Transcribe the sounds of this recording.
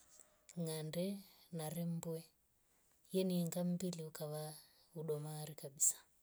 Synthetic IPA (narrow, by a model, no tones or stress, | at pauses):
ŋandɛnaɾɛmbwɛ | jɛniŋɡam̩biliukaβa | uɗɔmaːɾikaɓisḁ